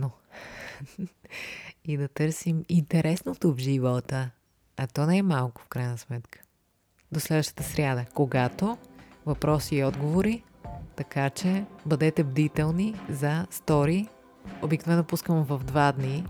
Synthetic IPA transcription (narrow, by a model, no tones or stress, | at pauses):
no | id̪ɐt̪ɤɾsimint̪ɛɾɛsnot̪ovʒivəlˠt̪ə | ɐt̪ɔnɛɛmalˠkʊ̥fkɾajnəsmɛt̪kə̥ | d̪oslɛd̪vəʃt̪ə̥t̪əsɾʲad̪əkoɡat̪ovɐpɾɔsiːɔd̪ɡovoɾi | t̪ɐkat͡ʃɛbəd̪ɛt̪ɛbd̪it̪ɛlˠnizɐst̪ɔɾi | obiknovɛnːopuskəmvɐvd̪vad̪ni